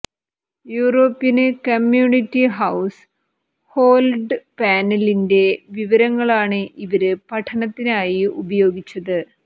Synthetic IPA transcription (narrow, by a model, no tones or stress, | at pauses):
juːro̞ːpːjɐnkɐmjuːɳitːiɦɐws | ho̞ːlɖpaːnɐlinde̞ʋiʋɐɾɐŋːɐɭaːɳɨʔiʋɐɾɨpɐʈʰɐnɐt̪ːinaːjiubɐjo̞ːɡit͡ɕːɐðɨ